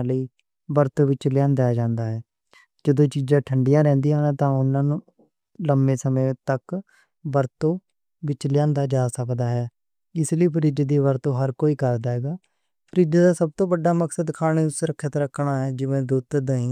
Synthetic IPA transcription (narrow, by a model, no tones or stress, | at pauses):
ləiː | bəɾt̪oːʋɪt͡ʃlɪjãːnd̪ajaːd͡ʒãːnd̪aːɦɛː | d͡ʒəd̪õːt͡ʃiːzãːʈʰəɳɖɪjãːɾɛ̃ːnd̪iːãːt̪ãːʊnãːnũː | ləmbeːsəmẽːt̪ək | bəɾt̪õː | ʋɪt͡ʃlɪjãːnd̪aːd͡ʒaːsəkd̪aːɦɛː | ɪsliːpʰəɾiːd͡ʒed̪iːʋəɾt̪õːɦəɾkoːiːkəɾd̪aːɦɛːɡaː | pʰəɾiːd͡ʒeːd̪aːsəb̚t̪õːbəɖːaːməksəd̪kʰaːñeːʊsɾəkʰːeːt̪aːɾəkʰːɳaːɦɛːd͡ʒɪʋẽːd̪uːt̪d̪əĩː